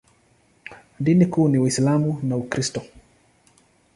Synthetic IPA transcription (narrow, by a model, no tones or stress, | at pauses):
dinikuniwislamunaukɾistɔ